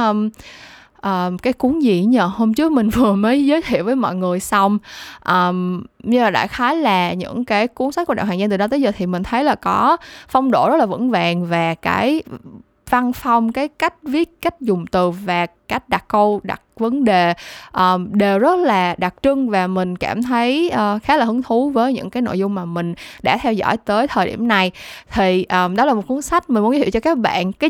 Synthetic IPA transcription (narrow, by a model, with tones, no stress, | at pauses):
ʔm | ʔəː˨˩mkaː˨˦jku˨˦ənzḭ˧˨ɲə˧˨˩ho˧mt͡ɕɨ˦˥ək̚mï˨˩ŋ̟vɨ˨˩əməː˨˦jzəː˨˦jt̪ʰḭ˧˨wvəː˨˦jmɔ̰˧˨jŋɨ˨˩əjsa˧wŋ͡mʔəː˨˩mɲɨ˧laː˨˩ɗa̰ː˧˩xaː˨˦jlaː˨˩ɲɨ̰˧˥ŋkaː˨˦jku˨˦ənsa˧˦˥kːnɗa̰˧˨˩ɦaː˨˩ŋzt̪ɨ˨˩ɗɔ˨˧t̪əː˨˦jzəː˨˩t̪ʰi˨˩mï˨˩ŋ̟t̪ʰə˨˦jlaː˨˩kɔ˨˦fa˧wŋ͡mɗo̰˧˩zə˦˥t̚laː˨˩və̰˧˥nvaː˨˩ŋvaː˨˩kaː˨˦j | va˧nfa˧wŋ͡mkaː˨˦jka˦˥jk̟̚vi˦˥ət̚ka˦˥jk̟̚zʊ˨˩ŋ͡mt̪ɨ˨˩vaː˨˩ka˦˥jk̟̚ɗa˨˩k̚kə˧wɗa̰˨˩k̚və˨˦nɗe˨˩ʔəː˨˩mɗe˨˩wzə˦˥t̚laː˨˩ɗa˨˩k̚t͡ɕɨ˧ŋvaː˨˩mï˨˩ŋ̟kaː˧˩mt̪ʰə˨˦jʔəː˨˩xaː˨˦˥laː˨˩hɨ˨˦əŋt̪ʰu˨˦vəː˨˦jɲɨ̰˧˥ŋkaː˨˦jno̰˧˨jzʊ˧ŋ͡mːaː˨˩mï˨˩ŋ̟ɗa̰ː˧˥t̪ʰɛ˧wzɔ̰˧˥˨jt̪əː˨˦jt̪ʰəː˨˩jɗḭ˧˩əmna˨˩jt̪ʰi˨˩ʔəː˨˩mɗɔ˨˦laː˨˩mo˨˩t̚ku˨˦nsa˦˥jk̟̚mi˨˩mu˨˦nzːi˧˨wt͡ɕɔ˧kaː˦˥k̚ɓa̰ː˧˨nkaː˨˦